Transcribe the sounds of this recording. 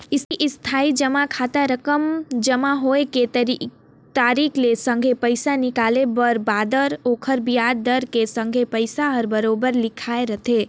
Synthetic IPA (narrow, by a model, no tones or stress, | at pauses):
ɪsiʔɪst̪ʰaːid͡ʒəmakʰaːt̪aɾəkəmd͡ʒəmaɦoeke | t̪aːɾikʰlesə̃ŋɡʱepəɪsanɪkalebəɾbaːd̪əɾoːkʰəɾbijad̪d̪əɾkesə̃ŋɡʱepəɪsaɦəɾbəɾoːbəɾlɪkʰaeɾət̪ʰe